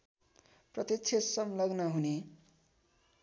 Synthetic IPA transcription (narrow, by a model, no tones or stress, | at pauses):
prʌt̪et͡sʰesʌmlʌɡnʌɦune